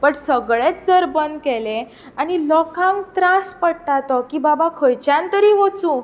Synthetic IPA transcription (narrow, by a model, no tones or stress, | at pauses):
pəɳsəɡɭet͡sd͡zəɾbənd̪kɛlẽ | anilɔkãŋkt̪ɾaspəɽʈat̪ɔkiːbabakʰəjt͡ɕãnt̪əɾiːɦot͡sũ